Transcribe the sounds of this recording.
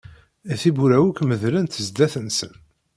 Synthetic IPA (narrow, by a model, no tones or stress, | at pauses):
æθibuɾæwukməðlænt̪əzd̪æθənsə̰n